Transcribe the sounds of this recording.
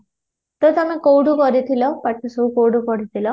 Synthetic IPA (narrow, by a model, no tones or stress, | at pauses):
t̪ot̪ʌmẽkowɖukʌɾit̪ʰilʌpaʈʰosokowɽukɔɾit̪ʰilʌ